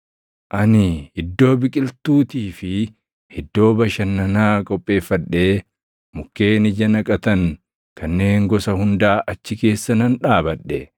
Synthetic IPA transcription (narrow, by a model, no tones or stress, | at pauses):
ʔɐnɪɪd̪ːo̞ːbɪkʼɪlt̪uːt̪iːfɪ | hɪd̪ːo̞ːbɐʃɐnːɐnaːkʼɔpʼːe̞ːfːɐᶑːeː | mʊkːe̞ːnɪd͡ʒɐnɐkʼɐt̪ɐŋ | kʰɐnːe̞ːŋɡɔsɐhʊnd̪aːʔɐt͡ʃːɪke̞ːsːɐnɐnᶑaːbɐɗːɛ